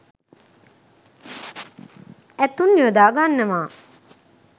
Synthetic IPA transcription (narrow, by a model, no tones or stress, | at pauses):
æt̪unːiəd̪aːɡanːəʋaː